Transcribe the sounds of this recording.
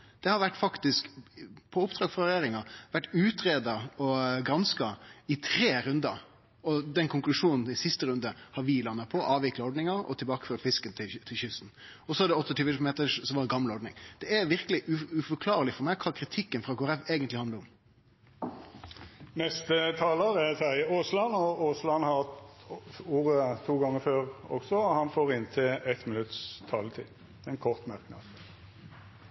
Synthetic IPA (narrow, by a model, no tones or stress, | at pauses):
d̪̥ɛhɑɾʋæʈːfɑkt̪ɪskpʰɔʊpd̪ɾɑːɡfɾɑɾɛjæːɾɪŋɑʋæʈːʉːt̪ʰɾeːd̪ɑɔɡɾɑnskɑɪt̪ʰɾeːɾʉnd̪ɑ̰ɾ | ɔd̪ɛnkʰʊŋklʉʂuːnn̩ɪsɪst̪əɾʉnd̪əhɑɾʋɪlɑnːɑt̪pʰɔʔɑːʋɪklɑɔɖ̪nɪŋɑɾɔ̰t̪ʰɪbɑːkə̥føːɾəfɪskənt̪ʰɪt̪ʰɪlçʏst̪n̩ | ɔsɔʋɑd̪ɛɔt̪ːɔt̪yːʋəmeːt̪əsɔmʋɑdɛɡɑmːlɔɖ̪nɪ̰ŋd̪̥ɛæɾʋɪʁkəlɪʔʉʉfɔkʰlɑːʁəlɪfɔɾmæɪkʰɑːkʰɾɪt̪ʰɪkːənfʁɑːɡʊɾæʋeːɡənt̪lɪhɑnd̪əʊm | nɛst̪ət̪ʰɑːləʁɛsæɪoːslɑnɔoslɑnhɑt̪ | uːʁət̪ʰuːɡɑŋːəføːʁɔ̰ksɔhɑnfoːʁɪnt̪ʰɛɛt̪mɪnʉt̪st̪ʰɑːlət̪ʰḭː | d̪̥ɛɛnkʰɔʁt̪mœʁknɑ̰d̪